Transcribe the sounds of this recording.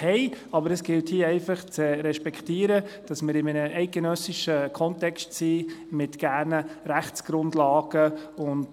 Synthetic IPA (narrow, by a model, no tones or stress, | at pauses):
hɛɪɑbəɾəsɡ̥ɪlthiəɛɪfɑχt͡sɛɾɛʃpɛktiːəɾəd̥ɑsmɪɾɪmɛnəɛɪt̚ɡ̥enœsɪʃəkʰɔntɛkstsiːmɪtɡ̥æːrnəɾæχt͡sɡ̥ɾʊndlɑːɡ̥əʊnt